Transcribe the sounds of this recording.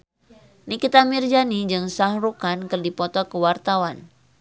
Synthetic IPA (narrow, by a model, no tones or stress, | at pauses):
nikit̪amird͡ʒanid͡ʒɨŋsahrukankərdipɔt̪ɔkəwart̪awan